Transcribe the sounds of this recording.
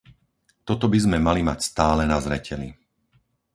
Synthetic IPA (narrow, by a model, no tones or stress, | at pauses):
t̪ɔt̪ɔbizmɛmalima̰cst̪aːlɛnazɾɛ̰cɛli